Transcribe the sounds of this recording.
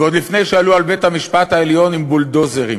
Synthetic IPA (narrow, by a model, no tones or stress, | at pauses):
eo̞d̪lifne̞jʃealualbe̞t̪hamiʃpat̪haeljo̞nimbuld̪o̞zeʁi